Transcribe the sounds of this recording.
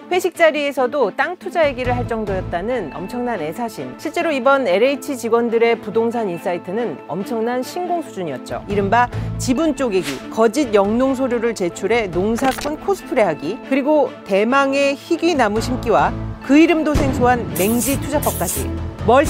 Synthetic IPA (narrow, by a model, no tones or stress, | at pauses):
ɸʰe̞ɕʰik̚t͡ɕ͈aɾie̞sʰʌdot͈aŋtʰud͡ʑae̞ɡiɾɯɭɦaɭt͡ɕ͈ʌŋdojʌt̚t͈anɯnʌ̰mt͡ɕʰʌŋnane̞sʰaɕʰinɕʰiɭt͡ɕ͈e̞ɾoibʌne̞ɾeit͡ɕʰit͡ɕiɡwʌndɯɾe̞pudoŋs̬ʰanins͈aitʰɯnɯnʌmt͡ɕʰʌŋnanɕʰinɡoŋsʰud͡ʑuɲiʌt̚t͡ɕ͈o̰iɾɯmbat͡ɕibunt͡ɕ͈oɡe̞ɡikʌd͡ʑid̚jʌŋnoŋs̬ʰoɾjoɾɯɭt͡ɕe̞t͡ɕʰuɾɦe̞noŋsʰakʰunkʰosʰɯ̥pʰɯɾe̞ɦaɡikɯɾiɡote̞maŋe̞çiɡinamuɕʰimk͈iwakɯiɾɯmdosʰe̞ŋsʰoɦanme̞ŋd͡ʑitʰud͡ʑap͈ʌk̚k͈ad͡ʑḭmʌɭ